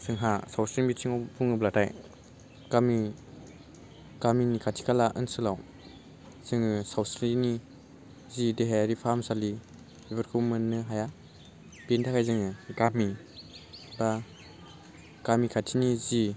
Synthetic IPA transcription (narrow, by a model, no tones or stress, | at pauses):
sɯŋɦasawsɾinmisʰiŋawpʰuŋɯblatʰaj | kami | kaminikʰatʰi̥kʰalaʔɯ̰nsɯlaw | zɯŋɯsawsɾini | zideɦajaɾipʰamsali | ibɯɾkʰumɯnːɯɦaja | bentʰakʰajzɯŋɯɡami | ba | kamikʰatʰinizi